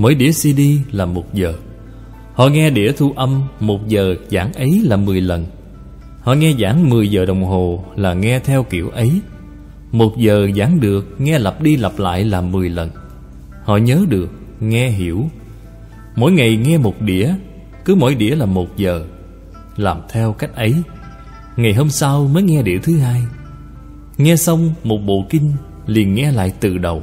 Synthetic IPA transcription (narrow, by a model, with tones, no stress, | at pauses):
mo̰˧˥˦jɗḭ˧˥˩əsi˧ɗi˧laː˨˩mo˨˩t̚zəː˨˩ | hɔ̰˧˨ŋɛ˧ɗḭ˧˥ət̪ʰu˧ʔə˧mːmo˨˩t̚zəː˨˩zaː˧˩ŋʔə˨˦jlaː˨˩mɨ˨˩əjlə˨˩n | hɔ̰˧˨ŋɛ˧zaː˧˥˦ŋmɨ˨˩əjzəː˨˩ɗə˨˩wŋ͡mɦo˨˩laː˨˩ŋɛ˧t̪ʰɛ˧wkḭ˧˩˨əwʔə˨˦j | mo˨˩t̚zəː˨˩zaː˧˥˦ŋɗɨ˨˩ək̚ŋɛ˧lə˨˩p̚ɗi˧la˨˩p̚la̰ː˧˨jlaː˨˩mɨ˨˩əjlə˨˩n | hɔ̰˧˨ɲəː˨˦ɗɨ˨˩ək̚ | ŋɛ˧ɦi˧˩˥əw | mo̰˧˥˦jŋa˨˩jŋɛ˧mo˨˩t̚ɗḭ˧˥ə | kɨ˨˦mo̰˧˥jɗḭ˧˥əlaː˨˩mo˨˩t̚zəː˨˩ | laː˨˩mt̪ʰɛ˧wka˦˥jk̟̚ʔə˨˦j | ŋa˨˩jɦo˧msa˧wməː˨˦jŋɛ˧ɗḭ˧˩ət̪ʰɨ˨˦ɦaː˧j | ŋɛ˧sa˧wŋ͡mmo˨˩t̚ɓo̰˧˨kï˧ŋ̟ | li˨˩ənŋɛ˧la̰ː˧˨jt̪ɨ˨˩ɗə˨˩w